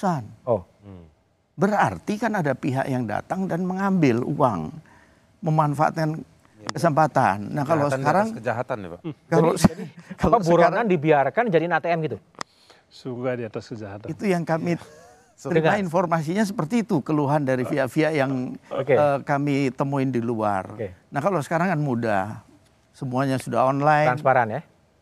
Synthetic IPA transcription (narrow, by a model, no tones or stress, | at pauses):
sano | bəra̰rt̪ikanadapiɦa̰ʔjaŋda̰t̪aŋdanməŋambɪlṵa̰ŋ | məmanfaʔa̰t̪kan | kəsəmpat̪a̰nːahkalosəkaɾaŋəd͡ʒaɦat̪anḭpakaloskaloabuəɾaŋandibiarkand͡ʒadinat̪eɛmɡit̪u | suɡadiat̪askəd͡ʒaɦat̪ait̪ujaŋkami | t̪əɾimainformas̬iɲas̬əpərt̪iːt̪ukəluɦandaɾifiaʔfiaʔjaŋokeəkamit̪əmuɪndilua̰rnahkalosə̥kaɾaŋkanmuda̰ | səmuaɲasuda̰honlajɾanspaɾanja